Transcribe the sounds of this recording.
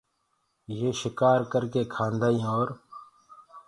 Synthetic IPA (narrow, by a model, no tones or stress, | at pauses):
jeːʃɪkaːɾkəɾkeːkʰãːnd̪aːĩːoːɾ